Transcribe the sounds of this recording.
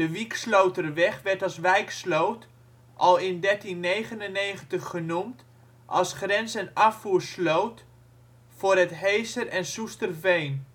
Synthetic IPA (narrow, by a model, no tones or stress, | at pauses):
dəʋikslowtəɾəʋɛχʋɛɹtɑlˠsʋɛjkslowt | ʔɑlˠɪndɛɹtinːejχənəneːχəntəχːənumt | ʔɑ̰lˠsχrɛnzənafuːɹslowt | fʊrətɦejsərɛnsustərvejn